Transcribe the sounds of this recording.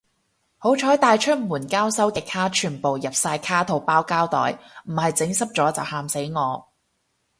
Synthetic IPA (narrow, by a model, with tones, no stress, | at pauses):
ho˨˥wt͡ʃʰɔː˨˥jt̪aː˨˧jt͡ʃʰɵ˥t̚muː˨˩nkaː˥wsɐ˥wkɛː˧kʰaː˥t͡ʃʰyː˨˩npo˨wjɐ˨p̚saː˧jkʰaː˥t̪ʰo˨wpaː˥wkaː˥wt̪ɔ̰ː˨˥jm̩˨˩hɐ˨jt͡sɪ˨˥ŋsɐ˥p̚t͡sɔː˨˥t͡sɐ˨whaː˧mse˨˥jŋɔː˨˧